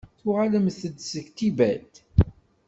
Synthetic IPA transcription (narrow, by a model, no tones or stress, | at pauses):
θʊʁaləmθəd̪səçt̪ibælt̪